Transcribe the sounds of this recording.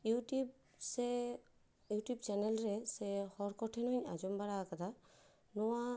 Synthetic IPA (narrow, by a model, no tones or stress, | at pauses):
juʈub̚ | sɛ | juʈjub̚t͡ʃɛnɛlɾɛsɛhɔɾkɔʈʰɛnɔɲa̰d͡ʒɔmbaɽakat̪ʰa | nɔwa